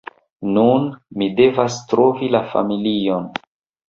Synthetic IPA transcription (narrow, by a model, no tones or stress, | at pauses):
nunmide̞vastɾo̞vilafa̰milio̞n